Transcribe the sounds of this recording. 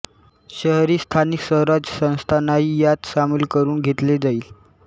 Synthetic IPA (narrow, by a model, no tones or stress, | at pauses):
ɕəɦɾiːst̪ʰaniksəɦɾad͡zsə̃w̃st̪ʰanaɦiːjat̪ɕamiːlkəɾuːnɡʱet̪led͡zaiːl